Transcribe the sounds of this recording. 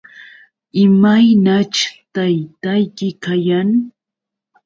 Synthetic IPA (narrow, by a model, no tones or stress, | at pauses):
ɪmajnat͡ʃt̪ajt̪ajkɪkajaŋ